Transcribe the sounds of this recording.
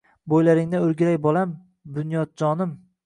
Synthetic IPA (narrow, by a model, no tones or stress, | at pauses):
bojlaɾɪŋnɪɵɾɡʲɪɾajbɒlam | bʊnjɒd̪̚d͡ʒɒnɪm